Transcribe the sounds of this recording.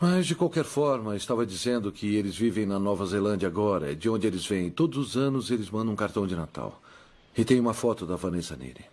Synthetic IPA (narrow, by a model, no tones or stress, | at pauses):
mɐzd͡ʒɪkwawkɛɾfɔɾmɐɪst̪avɐd͡ʒizẽnd̪ʊkʰɪelɪzvivẽj̃nɐnɔvɐzelɐ̃nd͡ʒɐaɡɔɾɐ̰d͡ʒɪõnd͡ʒɪelɪzvẽjẽt̪od̪ʊzʊzɐ̃nʊzelɪzmɐ̃nd̪ɐ̃ũkaɾt̪ɐ̃w̃d͡ʒɪnat̪a̰w | ɪt̪ẽj̃ũmɐfɔt̪ʊd̪ɐvɐnezɐnḭɾɪ